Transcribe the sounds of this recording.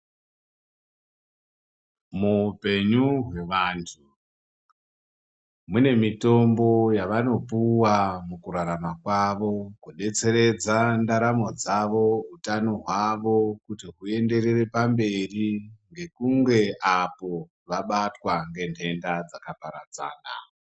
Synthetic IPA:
mupe̞ɲuɦwe̞ʋaːntʰu | mune̞mito̞mbo̞jaʋano̞puwamukuɾaɾamakwaʋo̞kuɗe̞t͡se̞ɾe̞d͡zandaɾamo̞d͡zaʋo̞ɦutano̞ɦwaʋo̞kutiɦue̞nde̞re̞re̞pambe̞riŋɡe̞kuŋɡe̞ʔapo̞ | ʋaɓatwaŋɡe̞ntʰe̞ndad͡zakapaɾad͡za̰ːna̰

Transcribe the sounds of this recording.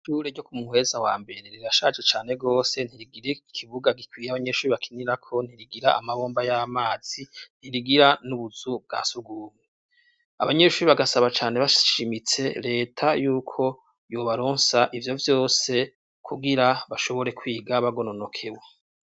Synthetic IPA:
ʃuːɾeɟo̞kumuhe̞zawa̰ːmbe̞ɾeɾiɾaʃad͡ʒet͡ʃaːne̞ɡo̞ːse̞n̥hiɾiɡiɾeikʰiβuɡaɡikwiːjaβaɲe̞ʃuːɾiβakʰiniɾakʰo̞n̥hiɾiɡiɾaa̰maβo̞ːmbajamaːz̥in̥hiɾiɡiɾanuβuzub̚ɡa̰ːsuɡuːme | a̰βaɲe̞ʃuːɾiβaɡasaβat͡ʃaːne̞βaʃʃimit͡se̞ɾe̞ːtʰajuːkʰo̞ | joβaɾo̞ːnsaʔivjo̞vjo̞ːse̞ | kʰuɡiɾaβaʃo̞βo̞ɾe̞kwiːɡaβaɡo̞nono̞kʰe̞we

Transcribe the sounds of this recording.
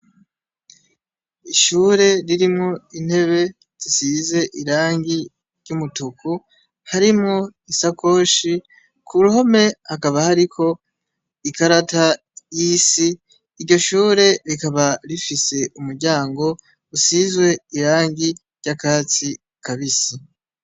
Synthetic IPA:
iʃuːɾe̞ɾiɾimŋo̞in̥he̞βe̞ | z̥isize̞ʔiɾaːŋɡi | ɾɟumutuku | haɾimŋo̞isakʰo̞ːʃi | kʰuɾuho̞me̞hakaβahaɾikʰo̞ | ikaɾata | jisiː | ɾɟo̞ʃuːɾe̞ɾikaβaɾifise̞umuɾɟaːŋɡo̞ | usizɡwe̞iɾaːŋɡiɾɟ̥akaːt͡si | kaβisi

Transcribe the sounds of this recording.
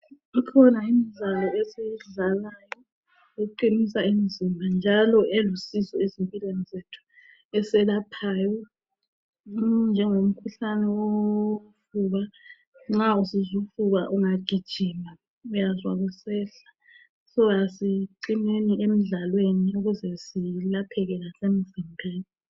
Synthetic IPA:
ikʰɔnaimizalɔɛsejiɮalajɔ | uǃinisaimizimbʱand͡ʒʱalɔʔɛlusizɔezimpʼilwenizetʰu̥ | ɛsɛlapʰaːjɔ | nd͡ʒʱɛŋom̩kʰuɬanɛwofuɣa | ŋ͡ǁausizufuɣaʔuŋaɡ̥ʱid̥ʒ̥ʱima | ujazwaɣusɛɬḁ | sɔjasiǀineniem̩ɮalweniuɣuzɛsilapʰɛɣɛlasemizimbʱeːni

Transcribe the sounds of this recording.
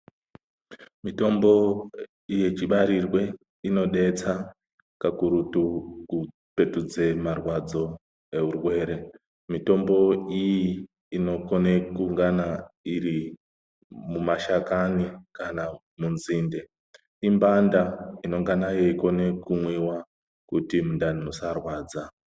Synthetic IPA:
mito̞mbo̞ | ije̞t͡ʃiɓaɾirwe̞ | ino̞ɗe̞t͡sa | kakuɾutuku | pe̞tud͡ze̞marwad͡zo̞ | e̞ɦurwe̞ːɾe̞ | mito̞mbo̞ijiː | no̞kone̞kuŋɡanaiɾi | mumaʃakanikana | munziːnde̞ | imbandaino̞ŋɡanajeiko̞nekumwiwa | kutimundaninosarwaːd͡za

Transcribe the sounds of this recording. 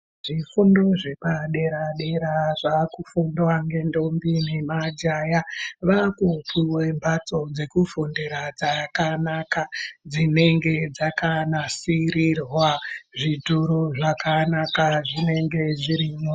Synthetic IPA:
ʐ̥ifundoʐe̞paɗe̞ɾaɗe̞ɾaʐakufundwaŋɡe̞ndo̞mbinemad͡ʒajaʋakupʰuwe̞mbʱat͡so̞d͡ze̞kufundeɾad͡zakanakad͡zine̞ŋɡe̞d͡zakanasiɾirwaʐituɾoʐakanakaʐine̞ŋɡe̞ʐiɾiɲo

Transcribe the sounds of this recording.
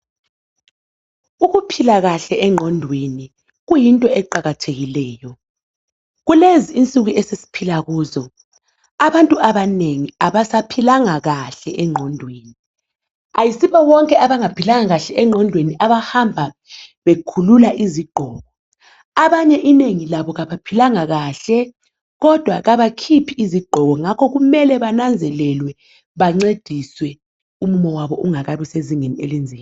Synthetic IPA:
uɣupʰilaɣaɬɛɛŋ͡ǃʱɔndʱweni | ɣujintʼɔɛǃaɣatʰeɣilɛːjɔ | ɣuleziːnt͡sʼuɣuɛsesi̥pʰilaɣuːzɔ | aβantʼuaβaneŋiaβasapʰilaŋaɣaɬɛʔɛŋ͡ǃʱɔndʱweːni | ajisiβɔwɔŋkʼɛʔaβaŋapʰilaŋaɣaɬɛɛŋ͡ǃʱɔndʱweniʔaβahambʱa | βekʰululaʔiziɡ͡ǃ̥ʱɔːɣɔ | aβaɲɛʔineŋilaβɔɣaβapʰilaŋaɣaɬɛ | ɣɔd̥ʱwaɣaβakʰipʰiiziɡ͡ǃʱɔɣɔŋakʰɔɣumɛlɛβanand͡zʱɛlɛlwɛ | βaŋ͡ǀed̥ʱiswɛ | umumɔwaβɔʔuŋaɣaβiseziŋenielind͡zʱiːm

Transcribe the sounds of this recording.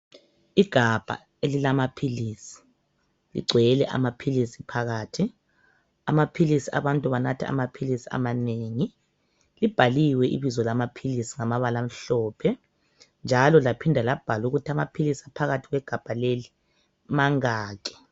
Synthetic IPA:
iɡ̥ʱab̥ʱa̰ | elilamapʰiliːsi̥ | lḭɡ͡ǀʱwɛjɛlɛʔa̰mapʰilisipʰaɣaːtʰi | amapʰilisia̰βantʼuβanatʰɛ̰a̰mapʰilisi̥a̰maneːŋi | lib̥ʱaliwɛʔḭβizɔlamapʰilisiŋamaβalam̩ɬɔːpʰɛ | nd͡ʒʱalɔlapʰindʱalab̥ʱaluɣutʰiamapʰilisiapʰaɣatʰiɣwɛɡ̥ʱab̥ʱaleli | maŋaːk̬ʰʼɛ̥

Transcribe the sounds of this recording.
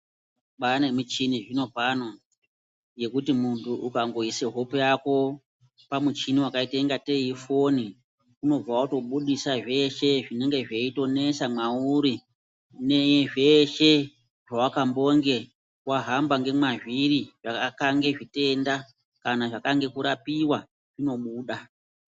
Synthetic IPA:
ɓanemut͡ʃiniʐino̞vano | je̞kutimuntʰuʔukaŋɡo̞iseɦo̞pejako̞ | pamut͡ʃiniwakaite̞ŋɡate̞jifo̞ni | kuno̞b͡vawautuɓuɗisaʐe̞ʃe̞ʐine̞ŋɡe̞ʐeito̞ne̞samauɾi | ne̞jeʐe̞ʃe̞ | ʐawakambo̞ŋɡe̞ | waɦambaŋɡe̞mwaʐiriʐakakaŋɡe̞ʐite̞nda | kanaʐakaŋɡe̞kuɾapiwa | ʐ̥ino̞ɓuːɗa

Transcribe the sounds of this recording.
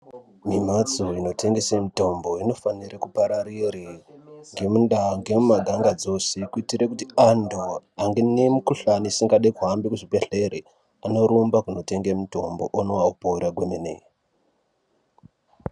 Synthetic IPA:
mimat͡soino̞tʰe̞ŋɡe̞semito̞mbo̞ino̞fanirekupaɾaɾiriŋɡe̞munɗaŋɡe̞mumaɡʱaŋɡad͡zo̞se̞kuitiɾekutiandoaŋɡenemukuɬanisiŋɡaɗekuɦambikuʐibeɬeɾe | ano̞ɾombakuno̞te̞ŋɡemuto̞mboʔonowaupouɾaɡwenenḛ

